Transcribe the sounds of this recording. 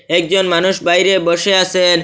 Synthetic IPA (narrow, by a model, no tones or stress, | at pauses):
ɛk̚d͡ʑonmanuʃbajɾeboʃeasen